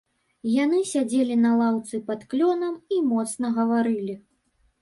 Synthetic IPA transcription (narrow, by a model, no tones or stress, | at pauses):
janɨsʲad͡zʲelʲinɐlˠawt̪sɨpɐt̪klʲɔnɐmimɔt̪snɐɣɐvaɾɨlʲi